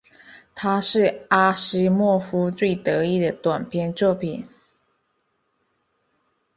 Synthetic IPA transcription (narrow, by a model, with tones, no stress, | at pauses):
t̪ʰa˥ʂɻ̩˥˩a˥ʂɻ̩˥mwɔ˥˩fu˥t͡swe˥˩ɪt̪ɤ˧˥i˥˩d̪ə˩t̪wa˨˩npʰjɛ˥˧nt͡swɔ˥˩pʰi˨˩˦n